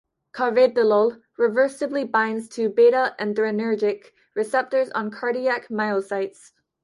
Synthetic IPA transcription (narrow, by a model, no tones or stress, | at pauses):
kʰɑvɛdəlolˠ | ɹɪvɜ˞sɨblibãɪ̃ndz̥tʰɨbeɾəʔɨ̃ndɹɨnɜ˞d͡ʒɪk | ɹɨsɛp̚tə˞zn̩kʰɑɹɾiækmaɪlˠsaɪts